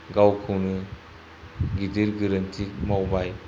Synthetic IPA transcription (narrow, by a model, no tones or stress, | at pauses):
ɡawkʰɯwnɯ | ɡidiɾɡɯɾantʰik̚mawbaj